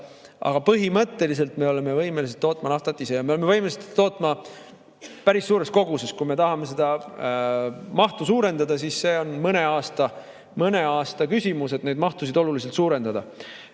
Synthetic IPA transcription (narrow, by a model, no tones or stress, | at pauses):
ʔɑ̰ɡ̥ɑpɤɦimɤt̪ːe̞lis̬e̞lt̪me̞o̞le̞me̞vɤjmelis̬et̪ːo̞ːt̪ːˑmɑnɑft̪ɑt̪ːˑisejɑmeolme̞vɤjmeliseo̞ːt̪ːˑmɑ | pæɾisːuːɾe̞sko̞ɡ̥use̞skume̞t̪ɑɦɑme̞s̬e̞d̪ɑ | mɑht̪usuːɾe̞nd̪ɑd̪̥ɑs̬isse̞ːo̞nmɤne̞ɑːst̪ɑ | mɤne̞ɑːst̪ɑkysʲimuse̞t̪ne̞jd̪mɑht̪us̬id̪o̞lulis̬elt̪suːɾe̞nd̪̥ɑd̪̥ɑ